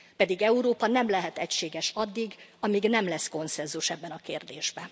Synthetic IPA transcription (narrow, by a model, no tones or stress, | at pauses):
pɛd̪iɡɛuɾoːpɒnɛmlɛɦɛt̪ɛcʃeːɡɛʃɒd̪ːiɡɒmiɡnɛmlɛsko̞nsɛnzuʃɛbːɛnɒkeːrd̪eːʒbɛ